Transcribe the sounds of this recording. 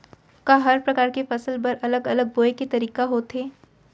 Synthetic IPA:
kaɦɐɾpɾɐkaːɾkefɐsəlpɐɾɐləɡɐləɡ̚boːeket̪ɐɾiːkaɦoːt̪ɦeː

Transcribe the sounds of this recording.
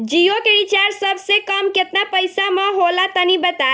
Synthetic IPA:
d͡ʒiokeɾit͡ʃaɾsəbʱsekəmket̪napəjsamə̃ɦolat̪ənibət̪a

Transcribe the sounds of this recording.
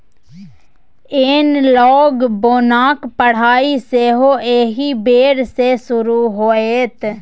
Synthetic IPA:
eːnlɔːɡboːnaːkpəɽ̤aːiseɦoeːɦibeːɽsesʊɾuɦoːeːt̪

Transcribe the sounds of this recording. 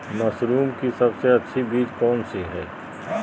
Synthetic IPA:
mɐsɾuːmkisɐbseɐtːʃʰibiːd͡ʒkɔːnsiɦɛː

